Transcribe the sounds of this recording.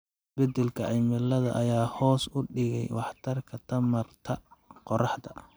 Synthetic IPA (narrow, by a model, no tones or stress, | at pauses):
bɛd̪ɛlkʰɐʔɐjmɪlɐðɐ̰ʔɐjaːhɔːsʊɖɪɣɛ̰jwɑħt̪ʰɐrkʰɐt̪ʰɐmɐrt̪ʰɐqɔrɑħd̪ɐ̰